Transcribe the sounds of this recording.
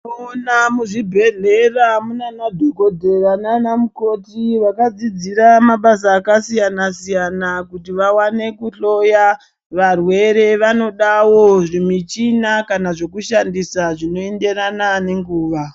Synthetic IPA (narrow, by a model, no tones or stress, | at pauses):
onamuʐibʱe̞ɮe̞ramunanadʱokodʱe̞ɾananamuko̞tiʋakad͡zid͡ziɾamaɓasaːkasijanasijanakutiʋawane̞kuɬo̞ja | ʋarwe̞ɾe̞ʋano̞ɗawoʐimit͡ʃinakanaʐo̞kuʃandisaʐino̞e̞nde̞ɾanane̞ŋɡuːʋa